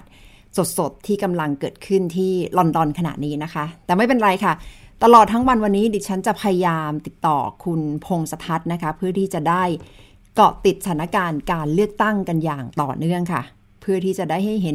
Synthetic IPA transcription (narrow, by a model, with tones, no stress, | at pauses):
t̪̚ | so˨˩t̪̚so˨˩t̪ʰːiː˥˩ka˧mla˧ŋkɤː˨˩t̪̚kʰɯ˥˩nt̪ʰiː˥˩lɔ˧ndɔ˧nkʰa˧na̰˨˩t̪̚niː˦˥na˦˥kʰa˦˥t̪ɛː˨˩ma˥˩jpe˧nɾa˧jkʰa˥˩t̪a˧lɔː˨˩t̪ʰːa˦˥ŋwa˧nwa˧nːiː˦˥di˧˩t͡ɕʰa˦˥nt͡ɕa˨˩pʰa˧ja˧jaː˧mt̪i˨˩t̪ːɔ̰ː˨˩kʰu˧npʰo˧ŋsa˧t̪ʰa˦˥t̪̚na˦˥kʰa˦˥pʰɯ˥˩ɐt̪ʰiː˥˩t͡ɕa˨˩daː˥˩j | kɔ̰˨˩t̪i˨˩t̪̚sa˧a˦na˥kaː˧nkaː˧nlɯ˥˩ək̚t̪a˥˩ŋka˧njaː˨˩ŋt̪ɔ̰ː˨˩nɯ˥˩əŋkʰa̰˥˩ | pʰɯ˥˩t̪ʰiː˥˩t͡ɕa˨˩daː˥˩jɦa˥˩jɦe˩˦n